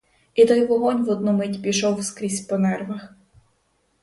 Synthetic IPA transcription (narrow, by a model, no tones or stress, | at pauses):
it̪ɔjʋɔɦɔnʲʋɔd̪̚numɪtʲpʲiʃɔwskɾʲisʲpɔnɛrʋɐx